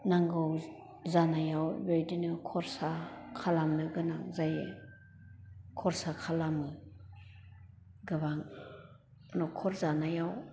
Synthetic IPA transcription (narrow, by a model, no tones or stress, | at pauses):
naŋɡɯw | zanajawbejdinɯkʰɔɾsakʰalamnɯɡɯnaŋzajɯ̰ | kʰɔɾsakʰalamɯ | ɡɯbaŋ | nɔkʰɔɾzanajaw